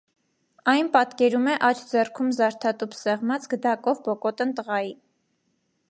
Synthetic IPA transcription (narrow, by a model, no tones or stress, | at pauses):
ɑjnpɑt̪kɛɾumɛʔɑt͡ʃʰd͡zɛrkʰumzɑɾt̪ʰɑt̪upsɛʁmɑt͡sɡəd̪ɑkɔvbɔkɔt̪ənt̪əʁɑji